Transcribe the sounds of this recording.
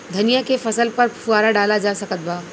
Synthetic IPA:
d̪ʱɐnijakefɐsəlpɐɾpʰuaːɾaɖaːlad͡ʒaːsɐkət̪̚baː

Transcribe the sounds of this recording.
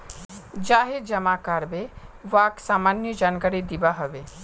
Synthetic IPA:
d͡ʒaːɦed͡ʒɐmakaɾbeʋaːksaːmaːnjəd͡ʒaːnkaɾid̪ibaɦɐʋe

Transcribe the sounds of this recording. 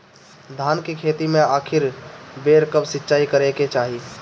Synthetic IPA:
d̪ʱankekʰet̪imeaːkʰiɾbeɾkəbsɪtːt͡ʃaːikəɾeket͡ʃaːɦi

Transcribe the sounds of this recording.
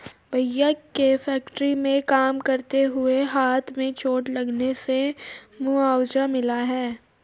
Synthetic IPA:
bɐjəkːefɛːkʈɾimẽkaːmkɐɾt̪eɦʊeɦaːt̪ʰmẽt͡ʃoːʈlɐɡnesemuaːwd͡ʒamɪlaɦɛː

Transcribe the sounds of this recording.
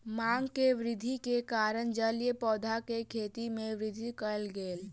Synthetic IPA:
maŋɡkeʋɾɪd̪ʱikekaɾənd͡ʒəlijəpɔːd̪ʱakekʰet̪imẽʋɾɪd̪ʱikəlɡeːl

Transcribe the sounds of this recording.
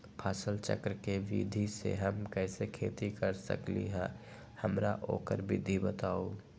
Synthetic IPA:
pʰaːsəlt͡ʃə̰kɾəkeʋḭd̪ʱisḛɦəmkɛːsekʰeːt̪ikəɾsə̰klḭɦɛ̃ː | həmɾaʔo̰ːkəɾbʱid̪ʱibət̪aːo

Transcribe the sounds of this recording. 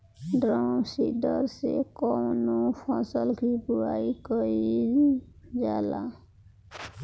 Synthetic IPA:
ɖɾɔwsidɔɾsḛkɔmnupʰɔsɔlkipuajkɔɾi | d͡ʒala

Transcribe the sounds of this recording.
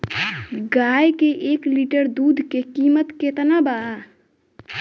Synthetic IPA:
ɡajkeʔekliʈəɾd̪ud̪ʱkekimət̪ket̪nabaa

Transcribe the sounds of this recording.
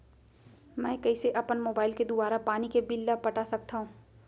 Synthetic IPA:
mɛ̃ːkɐiseʔɐpənmoːbaːɪlked̪ʊbaːɾapaːnikebɪlːapɐʈasɐk̚t̪aɦũː

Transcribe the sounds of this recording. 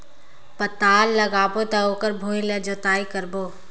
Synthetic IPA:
pət̪aːlːɐɡaːpot̪aoːkəɾbʱoːilɐd͡ʒot̪aːikəɾboː

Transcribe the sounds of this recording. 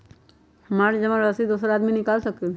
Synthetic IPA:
maːɾd͡ʒɐʋãɾəsid̪oːsɾaːd̪minɪkaːlsək̪̚i

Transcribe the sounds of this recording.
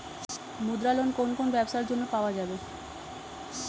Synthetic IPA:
mud̪ɾalonkonkonobɛbʃaɾd͡ʑonːopaoad͡ʑabe

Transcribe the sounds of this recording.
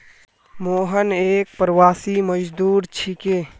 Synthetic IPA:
moːɦənek̚pɾwaːsiməd͡ʒd̪uːɾt͡ʃʰike

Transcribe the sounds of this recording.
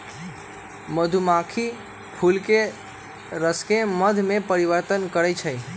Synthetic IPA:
məd̪ʱumakʰi | pʰulke | ɾəskeməd̪ʱmẽpəɾiʋəɾt̪ənkəɾɛjt͡ʃʰəj

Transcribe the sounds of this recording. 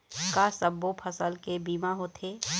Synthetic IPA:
kaːsəbːopʰɐsəlkebiːmaɦot̪ʰeː

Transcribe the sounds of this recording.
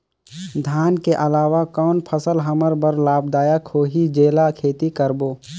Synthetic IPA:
d̪ʱaːnkeʔɐlaːʋakɔːnpʰəsəlɦɐməɾbəɾlaːbd̪aːjakʰoːɦid͡ʒeːlakʰeːt̪ikəɾboː

